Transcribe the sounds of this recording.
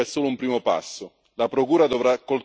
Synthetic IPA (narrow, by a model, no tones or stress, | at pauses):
ɛsːoːlʊumpɾiːmopa̰sːʊ | lapɾokuːɾad̪ovɾakːol